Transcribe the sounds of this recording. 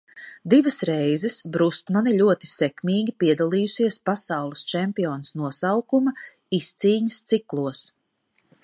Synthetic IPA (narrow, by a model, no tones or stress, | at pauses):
d̪ivɐsɾɛjzɛsbɾust̪manilʲuɔt̪i̥sɛkmiːɡʲipiɛd̪alˠiːjusiɛspasawlˠist͡ʃɛmpiɔːnsnuɔsawkumɐ | ist̪siːɲəst̪siklˠuɔs